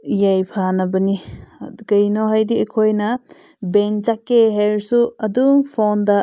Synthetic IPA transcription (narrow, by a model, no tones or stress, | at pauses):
jajpʰanɐbɐniɡɐjnoɦajdiekʰojnɐ | bent͡ʃakːeɦeɾsuɐduŋpʰondɐ